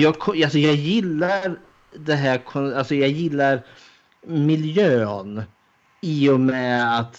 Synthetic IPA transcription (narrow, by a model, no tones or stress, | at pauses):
jɑːɡkʰɔjals̬ɔjɑːɡjɪlːaɾ | d̪ɛɦæːɾkʰɔnalsɔjɑːɡjɪlːaɾ | mɪljøːn | iːʊmɛːat̪